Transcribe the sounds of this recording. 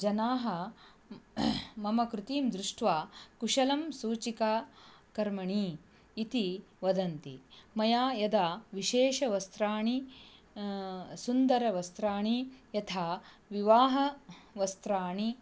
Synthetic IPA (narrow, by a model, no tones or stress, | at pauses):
d͡ʒɐnaːɦɐ | mɐmɐkɾut̪iːmd̪ɾuʂʈʋaːkuʂɐlɐmsuːt͡ʃikaːkɐɾmɐɳiː | t̪i | ʋɐd̪ɐnt̪ḭmɐjaːjɐd̪aːʋiʃeːʂɐʋɐst̪ɾaːɳi | sund̪ɐɾɐʋɐst̪ɾaːɳijɐt̪ʰaː | ʋiʋaːɦɐʋɐst̪ɾaːɳi